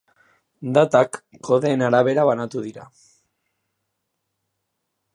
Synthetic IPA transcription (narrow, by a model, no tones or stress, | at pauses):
d̪at̪akːoðeːnaɾaβe̞ɾaβanat̪uðiɾa̰